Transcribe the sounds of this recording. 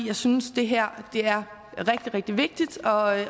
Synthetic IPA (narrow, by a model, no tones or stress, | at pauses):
jɑ̈ɪsynsd̥e̝ɦæɐ̰d̥e̝æɐ | ʁɛɡ̥̚d̥iʁɛɡ̥̚d̥iʋe̝ɡ̥̚d̥id̥ɒ̽